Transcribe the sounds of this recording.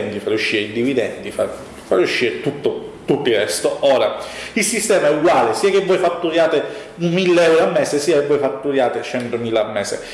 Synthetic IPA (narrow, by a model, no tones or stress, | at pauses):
nt̪ifaɾjuʃːiːɾeid̪ivid̪ɛnt̪ifa | faɾjuʃːiːɾet̪ut̪ːot̪ut̪ːoirɛst̪ooːɾailsist̪ɛːmaɛuɡwaːlesiːakevːɔjfat̪ːuɾjaːt̪e | ummilːeɛwɾoamːɛːsesiːakevːɔjfat̪ːuɾjaːt̪et͡ʃɛnt̪omiːlaːmːɛːsḛ